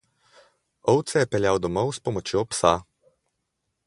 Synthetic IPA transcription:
ɔwt̪sɛjɛpɛljawd̪ɔmɔwspɔmɔt͡ʃjopsa

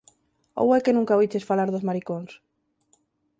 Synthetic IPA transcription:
o̰wɛkenũŋkaβijt͡ʃesfalaɾðozmaɾikoŋs

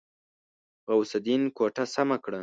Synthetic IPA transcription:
ɣawsad̪inkoʈasamakɽa

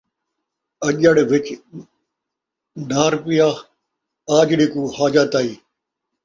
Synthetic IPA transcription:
ɐʄəɽʋɪt͡ʃ | naːɾpijaː | aːd͡ʒɽiːkuːhaːd͡ʒaːt̪aːiː

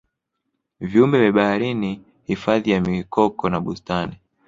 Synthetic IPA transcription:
viumbɛvɛɓahaɾini | hifaðijamikɔkɔnaɓustani

